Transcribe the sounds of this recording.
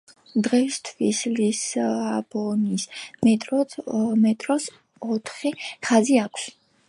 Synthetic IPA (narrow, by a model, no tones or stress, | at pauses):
d̪ʁɛist̪ʰvislisabɔnismɛt̪ʼɾɔmɛt̪ʼɾɔs | ɔt̪ʰχiχaziakʷʰs